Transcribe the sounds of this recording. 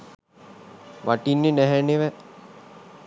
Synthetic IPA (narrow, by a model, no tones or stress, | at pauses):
ʋaʈinːenæɦæneʋæ